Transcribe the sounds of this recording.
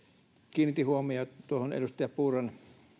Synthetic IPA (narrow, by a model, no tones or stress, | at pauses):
kiːnit̪ːihuomiot̪uohonḛlust̪ɑjɑpuːrɑn